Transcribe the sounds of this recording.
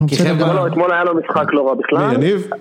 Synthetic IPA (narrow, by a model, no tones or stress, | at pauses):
t̪moloet̪molajalomisχakloʁabiχlalniv